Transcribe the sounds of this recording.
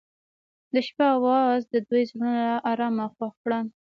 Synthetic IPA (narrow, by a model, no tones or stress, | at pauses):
d̪əʃpaawɑzd̪əd̪ujzɾunaʔɑɾɑmaxwaxkɽan